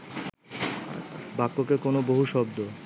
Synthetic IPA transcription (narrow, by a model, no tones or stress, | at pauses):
a̰bakːokekonoboɦuʃɔbd̪o